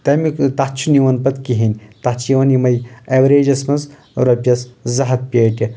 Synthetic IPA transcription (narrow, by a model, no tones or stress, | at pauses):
t̪ɐmikt̪at͡ʃʰuniʋɐnpɐt̪kiɦinʲt̪at͡ʃʰiʋɐnimɐjɐʋɾeːd͡ʒɐsmɐnz | ɾɐpʲɐszɐɦɐt̪̚pʲeːʈʲi